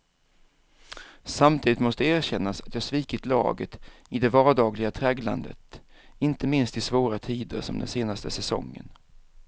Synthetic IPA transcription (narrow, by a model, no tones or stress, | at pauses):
samt̪ʰiːd̪ɪt̪mɔst̪əæːɾɕɛnːasat̪jɑːsviːkɪt̪lɑ̰ːɡət̪ɪd̪ɛvɑːɖɑːɡlɪɡat̪ʰɾɛɡla̰nd̪ə̰t̪ɪnt̪əmɪnst̪ɪsvoːɾat̪ʰiːd̪ə̰ɾsɔmd̪ɛ̰nseːnast̪əsɛsɔ̰ŋːə̰n